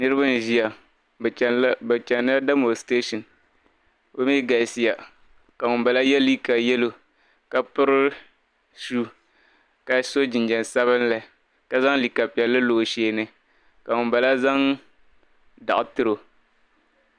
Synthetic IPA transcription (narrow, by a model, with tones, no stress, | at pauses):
nɨ˦ɾɨ˦ba˦n˨ʒi˦ja˨˦ | ba˨t͡ʃɛ˨nːa˦da˦mo˨ste˦ʃɔ˨n | ba˦mi˦ɡa˨si˨˦ja˨ | ka˨ŋʊ˨mba˨la˦jɛ˦li˦ka˨jɛ˦lo˨ | ka˨pʊ˦ɾɨ˦ | su˦ | ka˨so˦d͡ʒɪ˨nd͡ʒɛ˨n˨sa˦βɨ˦nla˨ | ka˨za˦ŋli˨ka˨pɛ˨lːɨ˦loː˨ʃeː˦˨nɨ˨ | ka˨ŋʊ˨ba˨la˦za˦ŋ | da̰˨ʔʊ˨tɨ˦ɾo˨